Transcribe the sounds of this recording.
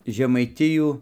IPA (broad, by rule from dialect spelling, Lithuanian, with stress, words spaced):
ʒʲɛmɐɪˈtʲɪjuː